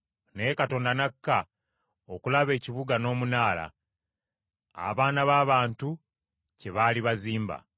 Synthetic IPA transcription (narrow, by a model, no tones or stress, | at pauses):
nekato̞ːndanakːa | okulaβe̞ːciβuɡano̞ːmunaːla̰ | a̰βaːnaβaːβaːntu | ce̞βaːliβaziːmba̰